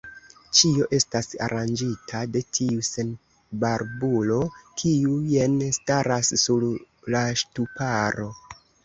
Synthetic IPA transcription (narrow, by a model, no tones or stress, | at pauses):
t͡ʃio̞ʔe̞stasa̰ɾʔand͡ʒitʰade̞tʰiuse̞n | baɾbulo̞kʰiuje̞nstaɾasːuɾ | laʃtupaɾo̞